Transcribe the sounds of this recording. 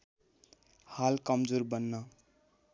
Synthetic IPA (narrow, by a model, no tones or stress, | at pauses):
halkʌmd͡zoɾbʌnːʌ